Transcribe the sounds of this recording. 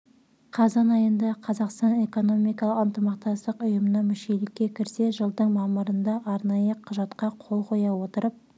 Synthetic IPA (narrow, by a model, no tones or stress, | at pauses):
qʰɑzɑnɑjənd̪ɑqʰɑzɑqst̪ɑne̞ko̞no̞mijkɑlˠəqənt̪əmɑq̚t̪ɑst̪əqʊjəmənɑmʏʃe̞lɪkʲːe̞kʲʰɪɾse̞ʒəlˠd̪əɴmɑməɾənd̪ɑʔɑɾnɑjəqʰʊʒɑt̪qɑqʰo̞lˠqʰo̞jɑwo̞t̪əɾəp̚